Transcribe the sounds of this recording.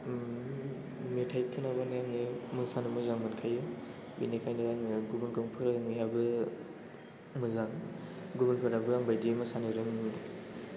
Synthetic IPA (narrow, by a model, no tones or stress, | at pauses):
metʰajkʰɯnabanjaŋemɯsanɯmɯzaŋmɯnkʰajɯ | binikʰajndaŋɡubunkɯŋpʰɯɾŋjabɯ | mɯzaŋɡubɯnpʰɯɾabɯaŋbajdimɯsanɯɾɯŋ